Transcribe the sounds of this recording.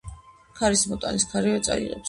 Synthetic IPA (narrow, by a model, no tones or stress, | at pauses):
kʰaɾismɔt̪ʼa̰niskʰaɾivɛt̪sʼa̰ḭʁɛ̰ps